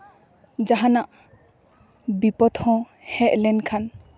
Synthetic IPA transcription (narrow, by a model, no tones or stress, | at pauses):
d͡ʒaɦãnaʔ | bipɔt̪hɔ̃ | hɛʔlɛnkʰan